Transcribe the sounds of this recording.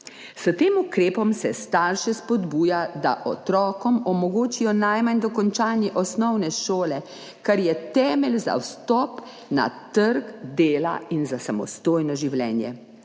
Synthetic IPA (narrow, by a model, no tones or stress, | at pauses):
sət̪eːmukɾeːpɔmsɛst̪aːɾʃɛspɔd̪buːjad̪a̰ʔɔt̪ɾɔːkɔmɔmɔɡoːt͡ʃijɔnajmand̪ɔkɔnt͡ʃaːnjɛʔɔsnɔwnɛʃoːlɛ | kaɾjɛt̪ɛːmɛlza̰wst̪ɔːp | na̰t̪əɾkd̪eːla̰inzasamɔ̰st̪oːjnɔʒiwlɛːnjɛ̰